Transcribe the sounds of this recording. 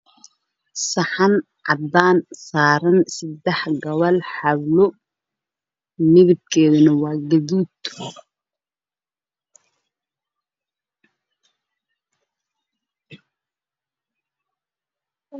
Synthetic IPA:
sɐħɑn | ʕɑd̪aːnsaːɾɐnsɪd̪ɛħɡɐβɐlħɑβlʊ | mɪɣɪb̪̚kʰɛːðʊnɐwɑːɡɐðuːt̪

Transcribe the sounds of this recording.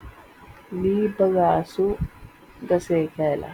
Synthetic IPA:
liːbəɡaːsu | ɡɐseːkɛːla̰

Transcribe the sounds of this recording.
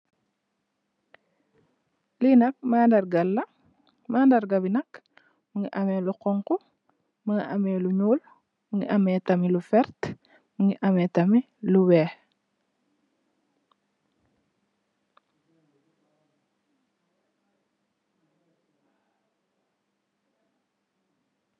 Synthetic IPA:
linɐk̚maːndɐɾɡɐlːɐ | maːndɐɾɡɐbinɐk | muŋiʔɐmeːluqɔŋku | muŋiʔɐmeluɲuːl | muŋḭʔametɐmilufɛɾt | muŋiʔɐmetɐmi | luwɛː

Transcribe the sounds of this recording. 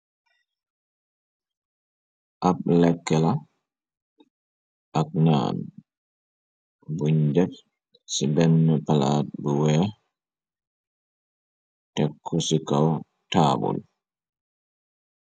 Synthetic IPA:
ʔablɛkːɛla | ʔak̚na̰ːn | buɲdɛf | sibɛnːɔpala̰ːt̚buwɛa | tɛkʰːɔsikaw | taːbɔ̰l

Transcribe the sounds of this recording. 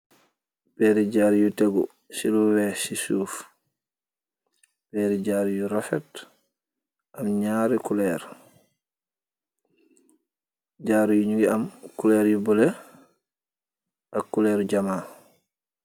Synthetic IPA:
bɛɾid͡ʒaːɾijutɛɡɔ̰ | siluwɛsisuːf | b̥ɛɾid͡ʒaɾijuɾafɛt | ʔamɲaɾɛkulɛːɾ | d͡ʒaːɾijuɲuɡiamkulɛːɾjubɔlɛ | ʔakːulɛɾd͡ʒamaː

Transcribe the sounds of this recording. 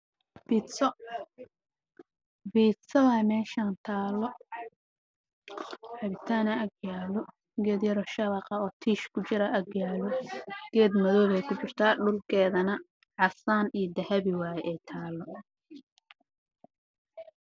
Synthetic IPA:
bi | biːt̪sɐðɐmɛːʃaːnt̪ʰaːlɔ | ħɑβɪt̪ʰaːnɐɐɡjaːlɔ | ɡɛːd̪jɐɾɔːʃɐβɑqɑɔːt̪ʰiːʃkʰʊt͡ʃɪɾɐʔɐɡjaːlɔɡ̥ɛːd̪mɐðɔːβɛjkʰʊt͡ʃɪrt̪ʰaːɖʊlkʰɛːðɐnɐ | ʕɑsaːnijd̪ɐhɐβɪwɑːjɛʔɛjt̪ʰaːlːɔ

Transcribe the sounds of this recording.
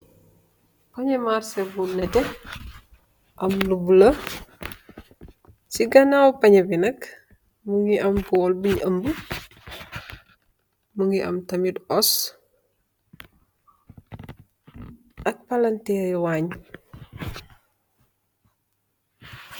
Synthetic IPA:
pɐɲɐmarsɛbunːɛtɛ | ʔɐmlubulɐ | siɡɐnawpɐɲɐbinɐk | muŋiʔɐmkɔlbiɲʔɐmbu | muŋiʔɐ̰mtɐmidɔs | ʔɐk̚pɐlɐntɛjwaɲ

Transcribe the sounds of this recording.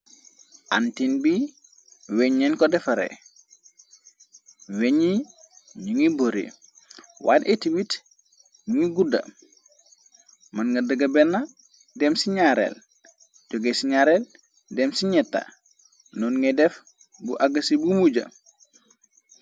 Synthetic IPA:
ʔa̰ntinbi | weɲːɛnkɔdɛfɐɾḛ | weɲi | ɲiŋiboɾḭ | wa̰nʔetiwit | ɲuŋiɡudɐ̰ | mɐnŋɡɐdɐɡɐbɛnːa | dɛmsiɲaɾḛl | ɟoɡesiɲaɾɛl | dɛmsiɲɛtːa̰ | nɔnŋedɛf | buʔaɡɐsibumuɟɐ̰

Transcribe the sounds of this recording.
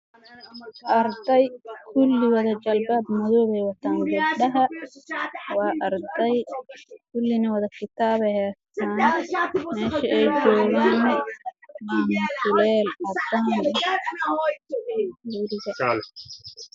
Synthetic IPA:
ʔɐɾd̪ɛjkʰʊlːɪwɐðɐd͡ʒɐlbaːbmɐðɔːβɛjwɐt̪ʰaːnlɛɖɐɦɐ | wɑːʔɐɾd̪ɛjkʰʊlːɪnɐwɐðɐkʰɪt̪ʰaːβɛjhɛːst̪aːnnmɛːʃɐɛjd͡ʒɔːɣanɛmɪnsʊlɛːlʔɐbaːn | uːɾɪɣɐl

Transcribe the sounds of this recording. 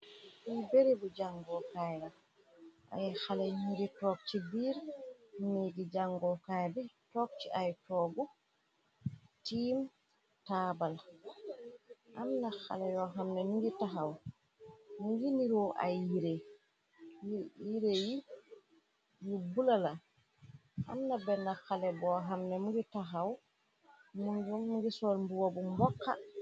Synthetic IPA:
ibɛɾɛbɔd͡ʒaŋɡɔkaja | ʔa̰jxalaɲiɾitɔk̚t͡ʃibiːɾneɡid͡ʒaŋɡɔkajbɛtɔk̚t͡ʃiʔajtɔɡɔ | tim | taːbal | ʔamnaxa̰lajɔɦamnaniɡitaɦaw | muŋɡiniɾɔʔa̰jiɾɛ | jiɾeji | jubulala | ha̰mnabɛnːaxalɛbɔɦamnɛmuŋɡitaɦaw | muɲd͡ʒumːuɡisɔɾmbuwabumbɔkːa̰

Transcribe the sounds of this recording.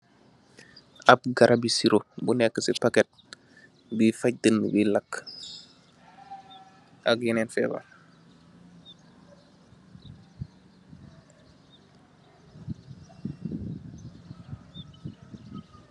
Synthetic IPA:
ap̚ɡaɾʔabisiɾobunɛkːəsipaket̚ | bifac̚dənːəbilak | akjinɛnfɛ̰ːba̰

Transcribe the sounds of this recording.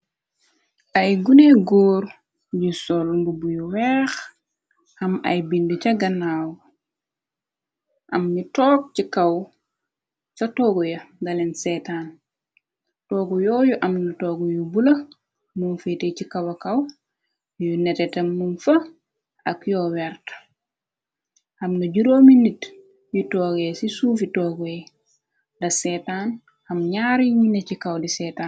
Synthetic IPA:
ʔɐjɡuneɡɔːɾ | jusɔlmbubujuwɛːx | hɐmɐ̰jbinducɐɡɐnaːw | ʔɐmnitɔːk̚cikɐw | sɐtɔːɡujɐɡɐlɛnsɛtaːn | tɔːɡujɔːjuʔɐmnutɔːɡujubulɐ | munfetecikɐwɐkɐw | junɛtɛtɐmːunfɐ | ʔɐkjɔːwɛrt | hɐmnɐɟuɾoːminit | jutɔːɡɛsisuːfitɔːɡuɛ | dɐsɛtan | hɐmɲaːɾiɲunɛcikɐwdisɛːtaːn

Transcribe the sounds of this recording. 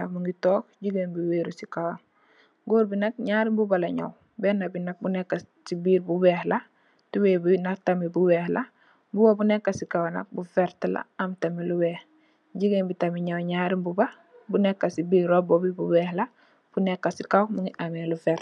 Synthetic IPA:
amuŋɡitoːkɟiɡenbiweːɾusikawan | ɡoːɾbinak̚ɲaːɾimbubalaɲa̰w | benabinak̚bunekːa | sibiːɾbubeːhla | tuwebunatamibuweːhla | bubabunekːasikawana̰bufeɾtla̰amtamiluweːh | ɟiɡenbitamiɲawɲaːɾimbuba | bunekːasibiːɾɾobobibuweːhla | b̥unekːasikawmuŋɡiʔamelufeɾ

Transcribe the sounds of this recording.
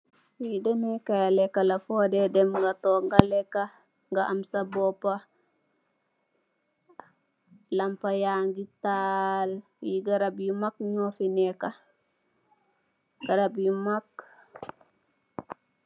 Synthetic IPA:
widɛmɛkajalekalafodedɛmŋɡatoŋɡalekːa | ŋɡaʔamsabopa | lampajaŋɡital | wiɡaɾabjumakɲofineka | ɡ̥aɾabjumak

